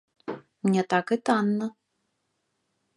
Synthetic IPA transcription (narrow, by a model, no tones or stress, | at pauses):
mnʲɛt̪akɨt̪anːə